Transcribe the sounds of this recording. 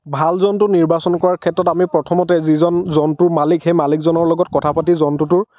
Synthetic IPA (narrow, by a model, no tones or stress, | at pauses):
bʱalzɔntʊniɹbasɔnkɔɹaɹkʰɛtɹɔtamipɹɔtʰɔmɔtɛzizɔnzɔntʊmalikxejmalikzɔnɔɹlɔɡɔt̚kɔtʰapatizɔntʊtʊɹ